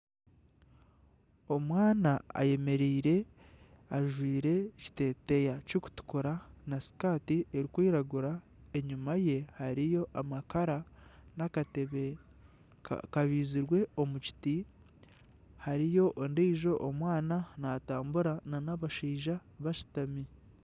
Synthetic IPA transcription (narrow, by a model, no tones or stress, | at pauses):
o̞mwaːnaa̰je̞me̞ɾiːɾe̞ | aʒwiːɾe̞ci̥te̞ːte̞jacoku̥tu̥kuɾanasi̥kaːtieɾikwiːɾaɡuɾa | e̞ɲumaje̞haɾijo̞ʔamakaɾanakateβḛ | kaβiːziɾwe̞o̞muci̥ti | haɾijo̞ʔondiːʒo̞ʔomwaːnanataːmbuɾananaβaʃiːʒaβaʃi̥tami